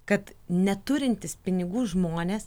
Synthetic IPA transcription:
kɐt̪nʲɛt̪ʊɾʲɪnʲt̪ʲɪspʲɪnʲɪɡuːʒmoːnʲeːs

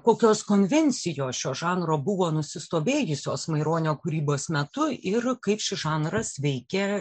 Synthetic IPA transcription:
koːkʲoːskoːnʲʋʲɛnʲt͡s̪ʲɪjoːsʃʲoːʒɑːnroːbʊʋoːnʊsʲɪst̪oːbʲeːjʊsʲoːsmɐɪɾoːnʲoːkʊɾʲiːboːsmʲɛt̪ʊɪrkɐɪpʃʲɪʒɑːnrɐsʋʲɛɪkʲɛ

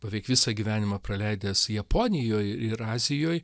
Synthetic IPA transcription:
pɐʋʲɛɪkʋʲɪsɐɡʲiʋʲæːnʲɪmɐpɾɐlʲɛɪd̪ʲɛsjɛpoːnʲɪjoːjɪɾɑːzʲɪjoːj

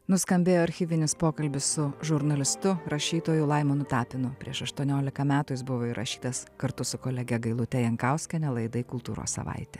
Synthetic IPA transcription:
nʊskɐmʲbʲeːjoːɐɾʲxʲiːʋʲɪnʲɪspoːkɐlʲbʲɪssʊʒʊɾnɐlʲɪst̪ʊɾɐʃʲiːt̪oːjulˠɐɪmoːnʊt̪ɑːpʲɪnʊpʲɾʲḭɛʃɐʃt̪uɔnʲoːlʲɪkɐmʲæːt̪ʊːjɪsbʊʋoːiɾʔɐ̰ʃʲi̥ːt̪ɐskɐɾt̪ʊsʊkoːlʲɛɡʲɛɡɐɪlˠʊt̪ʲɛjɛŋkɑʊsʲkʲɛnʲɛlˠɐɪd̪ɐɪkʊlˠt̪uːɾo̰ːssɐ̰ʋɐ̰ɪt̪ʲɛ

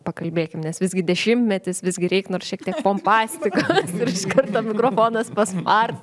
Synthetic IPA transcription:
pɐkɐlʲbʲeːkʲɪmnʲɛsʋʲɪzɡʲɪd̪ʲɛʃʲɪmʲt̪ʲmʲɛt̪ʲɪsʋʲɪzɡʲɪɾʲɛɪknoːrsʃʲiɛk̚t̪ʲiɛkpoːmpɑːsʲt̪ʲɪkosɪɾɪʃkɐrt̪ɐmʲɪkɾoːfoːnɐspɐsmɐrt̪

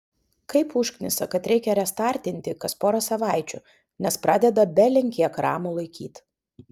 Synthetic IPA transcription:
kɐɪpʊʃʲknʲɪsɐkɐt̪ɾʲɛɪkʲɛɾʲɛst̪ɑˑɾʲt̪ʲɪnʲt̪ʲɪkɐspoːɾɐsɐʋɑˑɪt͡ʃʲʊ̰ | nʲɛspɾɑːd̪ʲɛd̪ɐbʲɛlʲɪŋʲkʲiɛkɾɑ̰ːmulˠɐɪkʲiːt̪

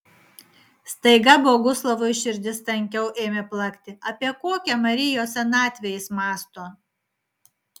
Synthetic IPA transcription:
st̪ɐɪɡɐboːɡʊslˠɐʋʊʃʲɪɾʲd̪ʲɪst̪ɐŋʲkʲɛʊʔeːmʲeplˠɐkʲt̪ʲɪɐpʲiɛkoːkʲɛmɐɾʲɪjoːsʲɛnɑːt̪ʲʋʲɛjɪsmɑːst̪oː

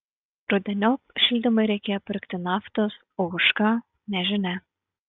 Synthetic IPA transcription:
ɾʊd̪ʲɛnʲɔpʃʲɪlʲd̪ʲɪmɐɪɾʲɛɪkʲeːjɔpʲɪɾʲkt̪ʲɪnɑːft̪os | oʊʃkɑ | nʲɛʒʲɪnʲɛ

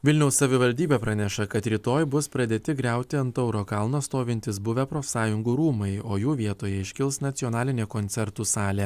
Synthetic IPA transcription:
ʋʲɪlʲnʲɛʊssɐʋʲɪʋɐlʲd̪ʲiːbʲeːpɾɑnʲɛʃɐkɐt̪ɾʲiːt̪oːjbʊspɾɐd̪ʲeːt̪ʲɪɡɾʲɛˑʊt̪ʲɪɐnt̪ɐʊɾoːkɐlˠnoːst̪oːʋʲɪnʲt̪ʲɪsbʊʋʲɛpɾoːsɑːjʊŋɡuːɾuːmɐɪoːjuːʋʲiɛt̪oːjɛɪʃʲkʲɪlˠsnɐt̪sʲɪɔnɑːlʲɪnʲeːkoːnʲt̪sʲɛɾt̪uːsɑːlʲeː

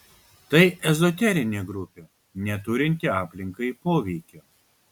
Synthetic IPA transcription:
t̪ɐɪʔɛzɔt̪ʲɛɾʲɪnʲeːɡɾʊpʲeː | nʲɛt̪ʊɾʲɪnʲt̪ʲɪɑːpʲlʲɪŋkɐɪpoːʋʲɛɪkʲoː

